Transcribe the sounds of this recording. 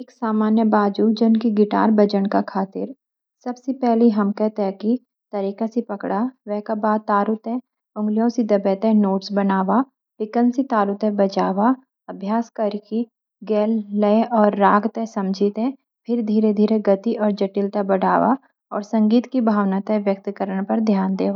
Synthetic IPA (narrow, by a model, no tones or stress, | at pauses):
eːksaːmaːnjəbaːd͡ʒud͡ʒənkiɡɪʈa̰ːɾbəd͡ʒəɳkakʰaːt̪ɪ̰ɾ | sɐbsepɛɦliɦɐmkɛɦt̪eɦɛ̃ki | t̪ɐɾiːkasipɐkɽaʋɛɦkabaːd̪̚t̪aːɾʊt̪ɛ̃ | ʊ̃ŋɡlijõsid̪ɐbɛt̪ɛ̃noːʈsbɐnaːʋa | ʋɪkənsit̪aːɾʊt̪ɛ̃bɐt͡ʃaːʋa | ɐbʱjaːskɐɾki | ɡɛːlːəeʔɔːɾːaːɡt̪ɛ̃sɐ̃md͡ʒʱit̪ɛ̃ | pʰɪɾd̪ʱiːɾed̪ʱiːɾeɡɐt̪iʔɔːɾd͡ʒɐʈɪlt̪abɐɽ̤ʱaːʋa̰ | ɔːɾsɐ̃ŋɡiːt̪kibʱaːʋnat̪ɦɛ̃ʋjɐk̚t̪kəɾəɳpɐɾd̪ʱjaːnd̪eːʋa